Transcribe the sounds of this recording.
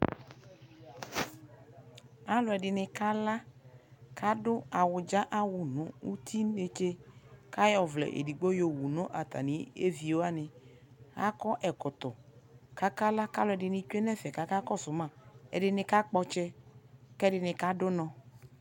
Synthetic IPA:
a˦lʊ˨ɛ˨dɪ˨nɪ˨ka˦la˦ | kʰa˦dʊ˦a˨wʊ˨d͡ʒa˦ʔa˦wʊ˨nʊ̃˨u˦t̪ʰi˦ne˨t͡ʃe˦ka˦jɔ˨vlɛ̰˨ʔḛ˨di˨ɡ͡bo˦jo˨wu˨nʊ̃˦ʔa˨t̪ʰa̰˨nɪ˨˦ḛ˦vi˨o˦a˦nɪ˨ | ɣa̰˦kɔ˦ʔɛ˨kʊ˨t̪ʊ˨ka˦ka˦la˦ka˦lʊ˨ɛ˨dɪ˨nɪ˨t͡ʃɛ˦nɛ˦fɛ˨ka˨ka˦kɔ˦sʊ˨mã˦˨ɛ̰˨dɪ˨nɪ˨ka˦k͡pɔ˦t͡ʃɛ˦kɛ˦dɪ˨nɪ˨ka˦dʊ˦nɔ̃˨

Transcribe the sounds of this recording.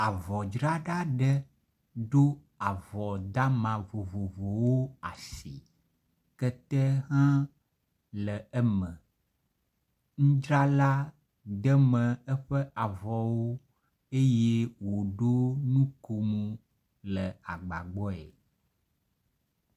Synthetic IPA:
a˨vɔ˨d͡ʒɾa˦ɖa˦ɖɛ˦ | ɖo˦ | a˨vɔ˨d̪a˦mã˨vo˨vo˨vo˨wo˦a˨si˨ | kɛ˦t̪ɛ˦ɦã˦ | lə˨ɛ˦mə̃˨ | ŋũ˦d͡ʒɾa˦la˦ | d̪ə˦mə̃˨ɛ˦ɸɛ˦ʔa˨vɔ˨wo˦ | e˦je˦wo˨ɖo˦nũ˦ko˨mũ˨ | lə˨a˨ɡ͡ba̰˨ɡ͡bɔ˦ɛ̰˨

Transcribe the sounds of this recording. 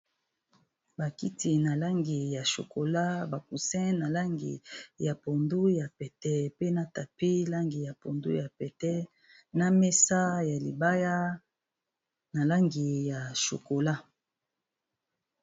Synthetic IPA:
ba˨ki˦ti˨na˨la˦ŋɡi˨ja˨ʃo̰˨ko˨la˦ba˨ku˨sɛ̃˦na˨la˦ŋɡḭ˨ja˨po˨ndu˦ja˨pɛ˨tɛ˦pe˦na˦ta˨pi˦la˦ŋɡi˨ja˨po˨ndṵ˦ja˨pɛ˨tɛ˦ | na˦mɛ˦sa˦ja˨li˨ba˦ja˦ | na˨la˦ŋɡi˨ja˨ʃo̰˨ko˨la˦

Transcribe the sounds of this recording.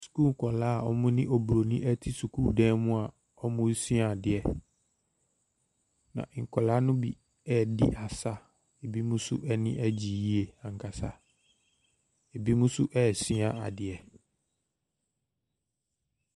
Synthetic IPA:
su̥˨ku˦ŋ˨kʰɔ˨laː˦˨ɔ˦mʊ̃˦nɪ̃˦ʔo˨bɾo˨nĩ˦ʔɛ˦tʰi˦su˨kʰuː˦˨dɛ̃˦mʊ̃˦a˨ | ɔ˦mʊ̃˦si˦a˨a˨dɪ˨ɛ˨ | nã̰˨ʔŋ̩˨kʰɔ˨la˦nʊ̃˦bḭ˨ | ɛ˦dḭ˦˨ʔa˨sa˦ | e˨bi˦mũ˦sʊ̰˦ʔɛ˦nɪ̃˦ʔɛ˦d͡ʑi˨ji˦e˦˨ã˨ŋ̩˨kʰa˨sa̰˦ | e˨bi˦mũ˦sʊ˦ʔɛː˦˨si˦a˨a̰˨dɪ˨ɛ˨

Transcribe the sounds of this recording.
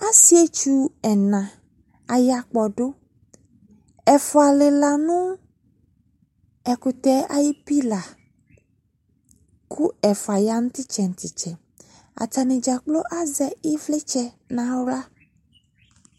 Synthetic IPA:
a˦si˦e˦t͡ʃu˦ɛ˨nã˨ | a˨ja˨k͡pɔ˨ɖo˦ | ɛ˨fo˨a˨le˨la˨nũ˦ | ɛ˨ku˨t̪ɛ˨˦a˨ji˦pi˦la˨ | kʰu˦ɛ˨fa˨ja˦nũ˦t̪i˦t͡ʃɛ˨ŋ̩̃˨t̪i˨t͡ʃɛ˨ | a̰˨ta˨nĩ˨d͡ʒa˨k͡plo˦ʔa˦zɛ˨i˦vle˦t͡ʃɛ˨ | nã˨˦wla˦

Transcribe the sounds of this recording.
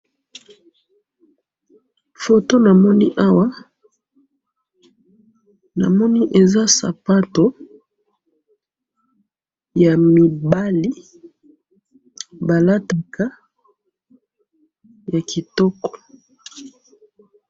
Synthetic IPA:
fo˨to˦na˨mɔ˦ni˦ʔa˦wa˦ | na̰˨mɔ˦ni˦ʔe˨za˦sa̰˨pa˦to˨ | ja˨mi˨ba˦li˦ | ba˨la˦ta˨ka˦ | ja˨ki˨tɔ˦kɔ̥˨

